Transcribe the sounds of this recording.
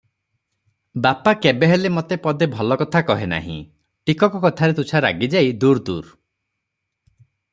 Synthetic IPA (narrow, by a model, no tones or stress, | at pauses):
bapakebeɦelemot̪epɔd̪ebʱɔlɔkɔt̪ʰakɔɦena̰ɦḭ̃ | ʈikɔkɔkɔt̪ʰaɾet̪ut͡ʃʰaɾa̰ɡid͡ʒajd̪uɾd̪ṵɾ